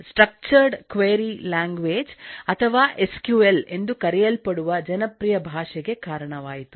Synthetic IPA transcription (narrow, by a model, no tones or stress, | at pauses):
sʈɾɐk̚t͡ʃɐɾɖkʋeːɾilaːŋɡʋeːd͡ʒɐt̪ʰɐʋaːʔeskjuːele̞nd̪ukɐɾɛjɐlpɐɽuʋɐd͡ʒɐnɐpɾijɐbʱaːʂɛɡe̞kaːɾɐɳɐʋaːjit̪u̥